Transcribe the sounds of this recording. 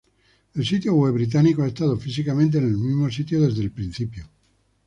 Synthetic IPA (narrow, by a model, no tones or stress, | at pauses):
elsit̪joɣweβɾit̪̬anikoaest̪aðofisikamẽnt̪̬eːnelmizmosit̪̬joðe̞zðelpɾin̟θipjo